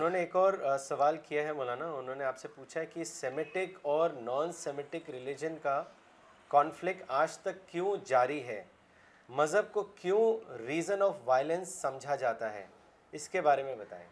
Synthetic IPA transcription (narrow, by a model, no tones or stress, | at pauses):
ʊnɦõːneːkɔːɾsɐʋaːlkijaɦɛmoːlaːnaʊnɦõːneaːpsepuːt͡ʃʰaɦɛkisɛmɪʈɪkɔːɾnãːnsɛmɪʈɪkɾɪlɪd͡ʒənka | kɔːnflɪk̚ʈaːd͡ʒt̪ɐkːjõːd͡ʒaːɾiɦɛː | mɐzɦəb̚kokjõːɾiːzənɔːfʋaːɪlə̃nsːɐ̃md͡ʒʱad͡ʒaːt̪aɦɛ̰ː | ɪskebaːɾemẽbɐt̪a̰ːḛː